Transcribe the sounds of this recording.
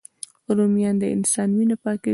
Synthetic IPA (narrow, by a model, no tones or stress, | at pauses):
uɾumjɑnd̪əɪ̰nsɑnwinopɑkɪ